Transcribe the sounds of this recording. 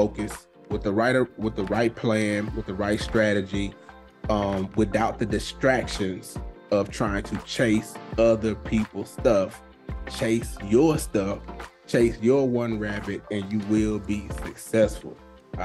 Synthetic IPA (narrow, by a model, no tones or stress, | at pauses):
oʊkɨs | wɨðəɹaɪɾəwəðəɹaɪt̚pʰl̥æ̃nwɨðɨɹaɪtstɹ̥æɾɨd͡ʒi | ʌ̃mwɨθaʊt̪̚ðɨdɨstɹ̥ækʃɨ̃nz̥ʌv̥tʰɹ̥aɪɪ̃ŋtʰɨt͡ʃʰeɪsʌðə˞pʰipl̩̥ˠstʌf | t͡ʃʰeɪsjə˞stʌft͡ʃʰeɪsjə˞wʌ̃nɹæbɨɾɨ̃njɨwɪlˠbisɨksɛsfl̩ˠ